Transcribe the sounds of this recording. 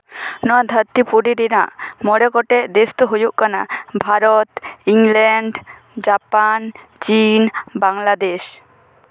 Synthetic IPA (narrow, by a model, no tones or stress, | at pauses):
nɔwad̪ʱəɾt̪ipuɖiɾina̰ʔmɔɽɛkɔʈɛʔd̪est̪ɔɦojuʔkana̰bʱaɾɔt̪iŋlɛɳɖ | d͡ʒapant͡ʃinbaŋlad̪eʃ